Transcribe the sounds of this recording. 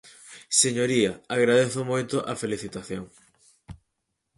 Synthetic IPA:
seɲoɾiɐaɣɾaðeθʊmojt̪ʊʔɐfeliθit̪aθjoŋ

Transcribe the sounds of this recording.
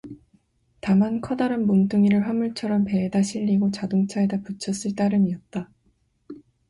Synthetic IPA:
tamankʰʌdaɾɯnmoŋt͈uŋiɾɯɭɸwamuɭt͡ɕʰʌɾʌmpe̞ːdaɕʰiʎːiɡot͡ɕadoŋt͡ɕʰaedaput͡ɕʰʌs͈ɯɭt͈aɾɯmiʌt̚t͈a

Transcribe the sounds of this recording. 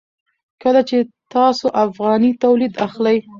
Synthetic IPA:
kəlat͡ʃet̪ɑsoʔafɣɑnit̪awlid̪axlaj

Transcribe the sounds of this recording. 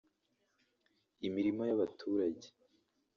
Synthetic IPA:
imiɾimo̞jaβatʰuːɾaɟe

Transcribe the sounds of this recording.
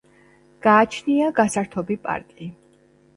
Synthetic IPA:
ɡ̥aːt͡ʃʰniaɡasaɾt̪ʰɔbipʼa̰ɾt̪ʼi

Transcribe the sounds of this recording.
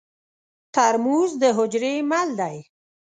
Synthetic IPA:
t̪aɾmuzd̪əɦʊd͡ʒɾemald̪aj

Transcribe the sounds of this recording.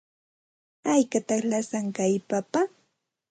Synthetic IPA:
ajkat̪ɑχlasaŋkajpapa

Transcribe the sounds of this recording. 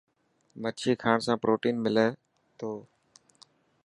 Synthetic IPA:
mət͡ʃʰiːkʰaːɳsãːpɾoːʈiːnmɪleː | t̪ʰoː

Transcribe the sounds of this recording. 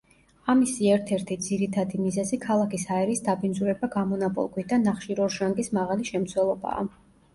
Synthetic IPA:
amisiɛɾt̪ʰɛɾt̪ʰid̪z̥iɾit̪ʰad̪imizɛzikʰalˠakishaɛɾisd̪abinzuɾɛbaɡamɔnapʼɔ̰lˠɡwid̪anːaχʃiɾɔɾʃaŋɡismaʁaliʃɛmt̪sʰwɛlˠɔba̰ː

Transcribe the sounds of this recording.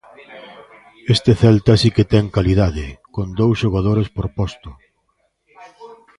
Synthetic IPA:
est̪eθɛlt̪asiket̪ɛŋkaliðaðɪkond̪owsʃoɣ̞að̞oɾespoɾpɔst̪ʊ

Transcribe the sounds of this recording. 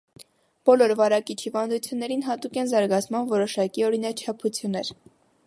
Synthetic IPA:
b̥ɔlɔɾvɑɾɑkit͡ʃʰhivɑnd̪ut͡sʰjunːɛɾinɦɑt̪ukɛnzɑɾɡɑt͡sʰmɑnvɔɾɔʃɑkiɔɾinɑt͡ʃʰɑpʰut͡sʰjunːɛɾ

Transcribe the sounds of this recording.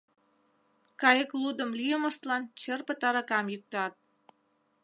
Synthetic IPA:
kɑjəklud̪ə̆mlijəmə̆ʃt̪lɑnt͡ɕərpət̪ɑɾɑkɑmjyk̚t̪ɑt̪̚

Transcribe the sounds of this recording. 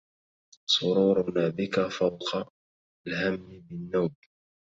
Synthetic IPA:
sˤʊɾuːɾʊnaːbɪkafawqʰɑ | lhamːɪbɪnːawb

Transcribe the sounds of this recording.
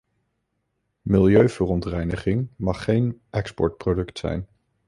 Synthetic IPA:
mɪlˠjøɥv̥ərɔntrɛjnəχɪŋmɑχːejnʔɛkspɔ̰ɹt̚prodɵktsɛ̰jn

